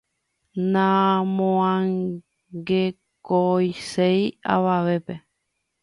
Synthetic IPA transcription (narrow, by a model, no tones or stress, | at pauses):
nãmõãŋ | ɡe | kojseja̰ʋaʋe̞pe